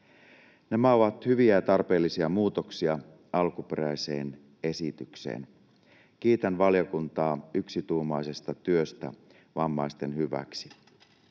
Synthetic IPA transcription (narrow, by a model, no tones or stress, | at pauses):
nemæoʋɑt̪hyʋiæt̪ɑrpe̞ːlːisiɑmuːt̪o̞ksiɑ | ɑlkupe̞ɾæjse̞̰ːn | e̞sit̪ykse̞̰ːn | k̟iːt̪ænʋɑlijokunt̪ɑːyksit̪uːmɑjse̞st̪ɑt̪yøst̪æ̰ | ʋɑmːɑjst̪enhyʋæ̰ksi̥